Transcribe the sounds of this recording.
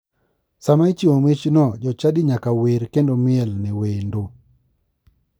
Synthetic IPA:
samat͡ʃiwomet͡ʃnɔd͡ʒɔt͡ʃadiɲakaweɾkendomɪɛlnɛwendo

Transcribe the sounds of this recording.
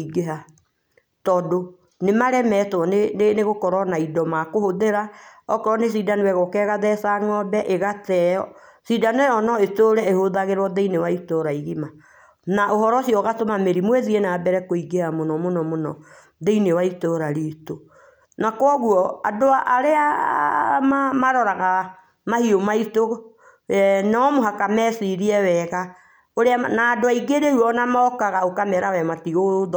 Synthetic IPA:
iɡeɦa | tɔdo | nemaɾɛmɛtwɔnenneɣokɔɾɔnaidɔmakohoðeɾaɔkɔɾɔnes̬idanewɛɣɔkɛɣaðɛsaŋɔbɛʔeɣatɛɔ | sidaneɔnɔetoɾɛehoðaɣeɾwɔðeinewaitoɾaiɣima | naʔoɦɔɾɔsiɔɣatomameɾimwɛðiɛnaːbɛɾɛkoiɡehamonɔmonɔmonɔ | ðeinewaitoɾaɾiːto | nakɔɣwɔadoaʔaɾea | mamaɾɔɾaɣa | mahiomaito | ɛnɔmoɦakamɛsiɾiɛwɛɣa | oɾeanaːdoaiɡeɾeuɔnamaɔkaɣaokamɛɾawɛmatiɣoðɔ

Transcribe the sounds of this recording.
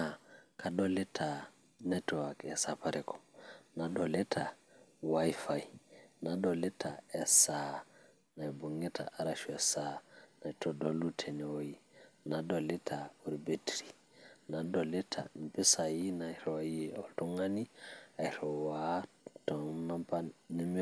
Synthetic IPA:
akaɗɔlɛtʰa | nɛtɔwakɛsapaɾʔɛkɔ̥naɗɔlɛtʰa | wajfajnadɔlɛtʰa̰ɛsa | najbuŋɛtʰa̰aɾaʃuɛsanajtɔdɔlutʰɛnɛwojinadɔlitʰauɾbetɾi | nadɔlɛtʰa̰npɛsajinajɾɔwajiɔltɔŋaniajɾɔwa | tɔnapanɛm

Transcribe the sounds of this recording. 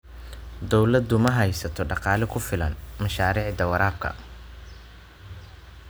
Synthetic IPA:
d̪ɔwlɐd̪ʊmɐɦɐjsɐt̪ʰɔɖɑqɑːlɪkʰʊfɪlɐ̰nmɐʃaːɾiːʕd̪ɐwɐɾaːb̚kʰɐ̰

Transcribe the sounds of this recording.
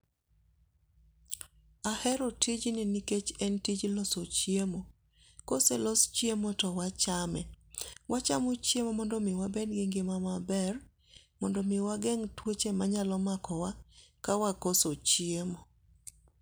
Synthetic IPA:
ahɛɾotid͡ʒnɪniket͡ʃɛntid͡ʒlɔsot͡ʃiemo | koselɔst͡ʃjemotɔwat͡ʃamɛ | wʔat͡ʃamot͡ʃjemomɔndɔmɪwabedɡɪŋɡɪmamabɛr | mɔndɔmɪwaɡɛŋtwot͡ʃemaɲalɔmakɔwakawakosot͡ʃiemo

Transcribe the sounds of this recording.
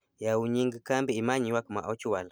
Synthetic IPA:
jauɲiŋɡikambiːmaɲiwakuma̰ʔɔt͡ʃiwala

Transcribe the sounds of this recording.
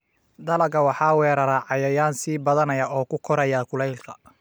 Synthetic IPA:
d̪ɐlɐɡɐwɑħɑːwɛːɾɐɾaʕɑjɐjaːnsiːbɐðɐnɐjɐʔɔːkʰʊkʰɔɾɐjakʰʊlɛjlkʰɐ̥̰

